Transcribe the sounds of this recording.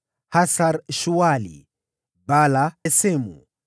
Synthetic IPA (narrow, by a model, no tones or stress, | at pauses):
hasaɾʃuwalḭ | balaɛsɛmṵ